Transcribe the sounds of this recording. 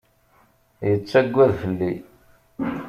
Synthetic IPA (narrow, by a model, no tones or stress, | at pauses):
jət͡sːæɡʷːæðfəlːi